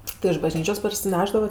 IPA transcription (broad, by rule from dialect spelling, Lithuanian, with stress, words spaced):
ˈtʲɪ ɪʃ bɐˈʒʲnʲiːt͡ʃʲoːs pɐrʲsʲɪˈnʲæːʒdɐʋɐt